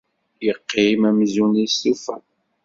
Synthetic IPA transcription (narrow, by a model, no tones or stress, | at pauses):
jəqːimæmzunisufæn